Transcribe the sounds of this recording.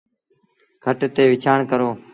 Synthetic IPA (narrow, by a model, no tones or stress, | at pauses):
kʰəʈt̪eːʋɪt͡ʃʰaːɳkəɾoː